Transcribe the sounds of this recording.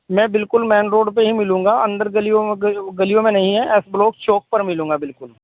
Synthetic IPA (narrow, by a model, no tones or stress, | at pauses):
mɛ̃ːbɪlkʊlmɛ̃ːnɾoːɖpeɦimɪlũːŋɡaːɐ̃nd̪əɾɡəlijoɡəlijõmẽnɐɦĩɦɛ̃ʔɛːsbloːk̚t͡ʃoːk̚pəɾmɪlũːɡaːbɪlkʊl